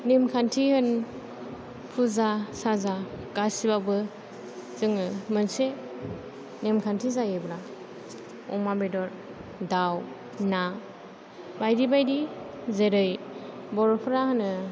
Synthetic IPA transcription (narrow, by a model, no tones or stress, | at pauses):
nemkʰantʰihɯn | pʰuzasazaɡasibabɯ | zɯŋmɯnse | nemkʰantʰizajɯbɾa | ɔ̰mabedɔɾ | daw | na | bajdibajdizeɾɯjbɔɾɔpʰɾahɯnɯ